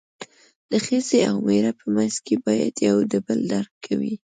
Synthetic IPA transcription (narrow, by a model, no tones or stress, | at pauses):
d̪̥əxəzeawmeɾapʰəmanzkebɑja̰d̪jawd̪əbəld̪aɾkʰːawḭ